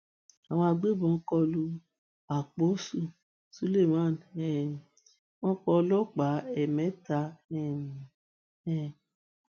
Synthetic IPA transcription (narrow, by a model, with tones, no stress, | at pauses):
a˨w̃ɔ̃˧a˧ɡ͡be˦˨bɔ̃˨˦kɔ˧lu˧˦ | a˨k͡po˨˦su˦˨ | su˦le˦˨mã˦˨nɛ˨ | wɔ̃˦k͡pɔ˧lɔ˦k͡pa˨˦ɛ˨mɛ̃˨˦ta˧ɛ˦˨ | ɛ˨